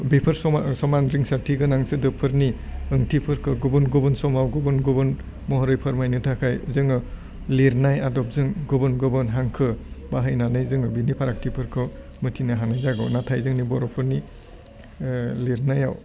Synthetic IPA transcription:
bipʰɯɾsɔsɔmanɾiŋsaɾtʰiɡɯnaŋsɯdɯpʰɯɾniɯŋtʰipʰɯɾkʰɯɡubɯnɡubɯnsɔmawɡɯbɯnɡɯbɯn | mɔɦɔɾɯjpʰɯɾmajnɯtʰakʰajzɯŋɯ | liɾnajadɔp̚zɯŋɡɯbɯnɡɯbɯnɦaŋkʰɯbaɦɯjnanɯjzɯŋɯbinipʰaɾak̚tʰipʰɯɾkʰɯ | mɯtʰinɯɦanajzaɡɔ̰natʰajzɯŋnibɔɾɔpʰɯɾni | leɾnajaw

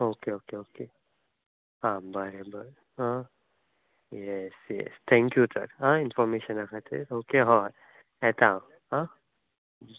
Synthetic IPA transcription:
oːkeoːkeoːke | hãbəɾebəɾe | ɦã | jɛsjɛ̰st̪ʰɛ̃ŋkjusə̰ɾɦãɪnfɔɾmeʃə̃nakʰat̪ʰḛɾoːkeɦɔɾ | ɦɛt̪ã | ɦã

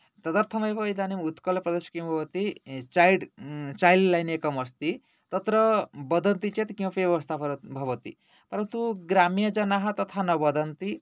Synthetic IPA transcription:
t̪ʌd̪ʌɾt̪ʰʌmʌebʌjd̪animut̪kʌlpɾʌd̪eskiw̃bʱʌbʌt̪it͡ʃajɖt͡ʃajllajnekʌmʌst̪i | t̪ʌt̪ɾʌbʌd̪ʱʌnt̪it͡ʃet̪kiwpejʌʌst̪ʰapʌɾbʱʌbʌt̪i | p̪ʌɾʌt̪uɡɾamijʌd͡zʌnaɦʌt̪ʌt̪ʰanʌbʌd̪ʱʌnt̪i

